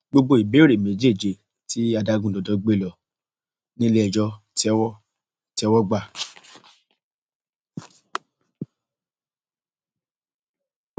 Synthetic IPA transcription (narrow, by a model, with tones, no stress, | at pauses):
ɡ͡bo˧ɡ͡bo˧˦i˨be˨˦ɾe˨mẽ˨d͡ʒe˦˨d͡ʒe˨ | ti˨˦a˧da˧ɡũ˦˨dɔ˨dɔ˨˦ɡ͡be˦˨lɔ˨ | nĩ˦le˦ɛ˧˨d͡ʒɔ˧ti˦ɛ˦wɔ˦ | ti˦ɛ˧wɔ˦ɡ͡ba˦˨